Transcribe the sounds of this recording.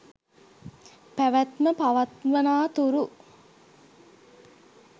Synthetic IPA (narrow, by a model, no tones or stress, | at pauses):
pæʋæt̪məpaʋat̪ʋənaːt̪uɾu